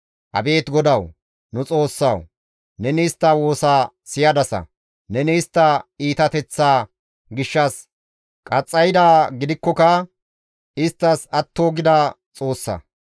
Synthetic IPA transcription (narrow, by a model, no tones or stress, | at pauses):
ʔɐ̰be̞ːt̪ɡɔd̪ɐw | nʊt͡sʼo̞ːsːɐ̰w | nɛnɛɪst̪ːɐwo̞ːsaːsɪjɐd̪ɐsɐ̰ | nɛnɛɪst̪ːɐiːt̪ɐt̪ɛt͡sːaː | ɡɪʃːɐs | kʼɐt͡sʼːɐjd̪aːɡɪd̪ɪkːɔkɐ | ɪst̪ːɐsɐt̪ːoːɡɪd̪ɐ | t͡sʼo̞ːsːɐ̰